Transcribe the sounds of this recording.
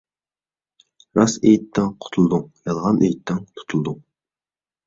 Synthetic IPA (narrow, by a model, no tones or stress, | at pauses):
ɾɑsejt̪ːɪŋqʰʊ̥t̪ʰulˠd̪uŋjɑlˠʁɑnʔḛjt̪ʰːɛŋt̪ʰu̥t̪ʰulˠd̪uŋ